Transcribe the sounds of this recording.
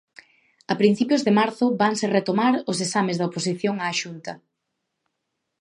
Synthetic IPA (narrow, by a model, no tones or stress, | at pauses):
ɐpɾin̟θipjʊzðemaɾθʊbaŋseret̪omaɾʊs̬esamɪzðɐoposiθjoŋaːʃunt̪ɐ